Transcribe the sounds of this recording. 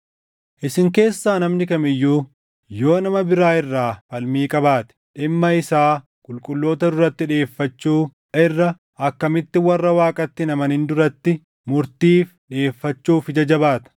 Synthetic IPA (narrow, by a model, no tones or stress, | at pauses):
ʔɪsɪŋke̞ːsːaːnɐmnɪkɐmɪjːuː | jo̞ːnɐmɐbɪɾaːɪrːaːfɐlmiːkʼɐbaːt̪ɪ̥ᶑɪmːɐɪsaː | kʼʊlkʼʊlːo̞ːt̪ɐd̪ʊɾɐt̪ːɪᶑe̞ːfːɐt͡ʃːuː | ɪrːɐ | ʔɐkːɐmɪt̪ːɪwɐrːɐwaːkʼɐt̪ːɪnɐmɐnɪnd̪ʊɾɐt̪ːɪ | mʊɾt̪iːfᶑe̞ːfːɐt͡ʃːuːfɪd͡ʒɐd͡ʒɐbaːt̪ɐ̥